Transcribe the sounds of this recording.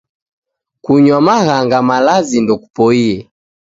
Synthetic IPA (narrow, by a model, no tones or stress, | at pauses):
kuɲwamaɣaŋɡamalazindɔku̥pɔiɛ